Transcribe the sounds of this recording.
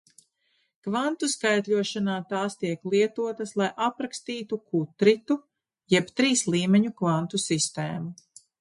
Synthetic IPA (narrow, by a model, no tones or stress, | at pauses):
kvant̪uskajt̪lʲuɔʃanaːt̪aːst̪iɛklˠiɛt̪uɔt̪ɐslˠajʔapɾakst̪iːt̪ukʰut̪ɾit̪u | jɛpt̪ɾiːslˠiːmɛɲukvant̪usist̪eːmu